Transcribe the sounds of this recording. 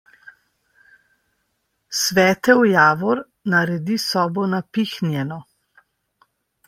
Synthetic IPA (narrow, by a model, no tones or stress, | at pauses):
sʋɛːt̪ɛwjaːʋɔɾ | naɾɛd̪isɔːbɔnapixnjɛnɔ